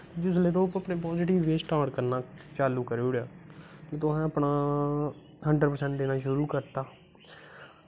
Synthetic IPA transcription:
d͡ʒɪs̬leːt̪̬õːpəpneːp̬ɔːzɪʈɪʋːeːsʈaːʈkəɾnãːt͡ʃaːluːkəɾeɽjaːkeːt̪ʊɛ̃ːəpnaː | həɳɖəɖpəɾsɛ̃ɳʈd̪eːnãːʃʊɾuːkəɾt̪aː

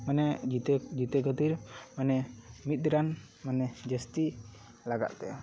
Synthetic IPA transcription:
manɛid͡ʒit̪ɛɡət̪iɾmanɛmit̪̚ɾan | manɛd͡ʒəst̪i | laɡa̰ʔ̪̚t̪ɛ̰

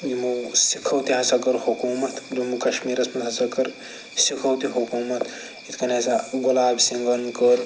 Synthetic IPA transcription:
jimusikʰɐwt̪iɦɐsɐkɐɾhukuːmɐt̪ʰdumukɐʃmiːɾɐsmɐnt̪ɦɐsɐkɐɾ | sikʰɐwt̪iɦukuːmɐt̪ʰ | it̪ʰkɐnesaɡulaːbsiŋɡɐnd̪kəɾ

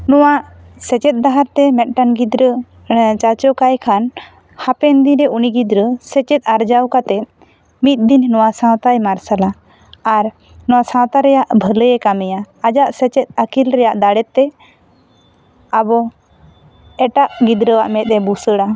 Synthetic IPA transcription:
nɔwaʔ | sɛt͡ʃɛt̪̚ˀd̪aɦaɾt̪ɛmɛt̪̚ˀʈanɡid̪ɾə | t͡ʃat͡ʃɔkajkʰan | hapɛnd̪iɾɛuniɡid̪ɾəsɛt͡ʃɛt̪̚ˀaɾd͡ʒawkat̪ɛt̪̚ | mit̪̚d̪inːɔwasãwt̪ajmaɾsalaː | ɾ | nɔwasãwt̪aɾɛjaʔbʱələjɛkamɛjaːd͡ʒaʔsɛt͡ʃɛt̪̚ˀakilɾɛjaʔd̪aɽɛt̪ːɛ | abɔ | ɛʈaʔɡid̪ɾəwaʔmɛt̪̚ɛbusəɽa

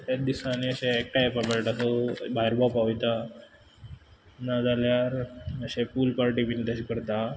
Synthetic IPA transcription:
ed̪isãniəɕeːk̚ʈapapəɭʈasobʱaiɾbapaʋjt̪a | nad͡zaljaɾəɕepulpaɾʈibinit̪aɕikəɾt̪a

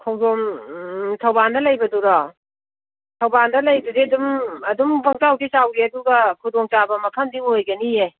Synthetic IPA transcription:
kʰɐwdom | tʰɐwbandɐlɐjbɐduɾɔ | tʰɐwbandɐlɐjdudidumɐdumbɐŋtawdʰisawɡiɐduɡɐkʰudoŋt͡ʃabɐmɐkʰɐmdiŋojɡɐnije

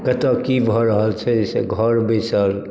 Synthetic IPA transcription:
kət̪əkibʱɔɾəɦəlt͡ʃʰɛesḛɡʱəɾbesəl

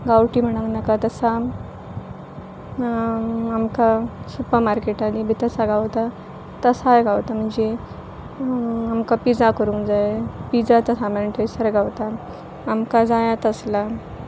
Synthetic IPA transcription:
ɡawʈim̤əɽ̃aŋnakat̪əsa | amkasupəɾmaɾkeʈanibʱit̪əsaɡawt̪a | t̪əsajɡawt̪am̤əɳd͡ze | amkapid͡zakəɾũŋkd͡zajepid͡zat̪əsameɳʈ̪ʰəjsəɾɡawt̪aː | mkad͡zajat̪əsla

